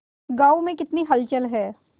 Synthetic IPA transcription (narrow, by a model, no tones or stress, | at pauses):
ɡaːumẽkɪt̪niɦɐlt͡ʃəlɦɛː